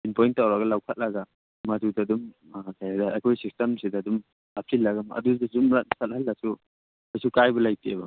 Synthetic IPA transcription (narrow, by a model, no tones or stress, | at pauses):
inpɔjntːawɾaɡɐlawkʰat̚laɡa | madudadum | kajadaekʰɔjsistɐmsidadum | hap̚silːaɡamɐ̰dudazumɾatsathɐlːasu | ajsukajbɐlajtʰieba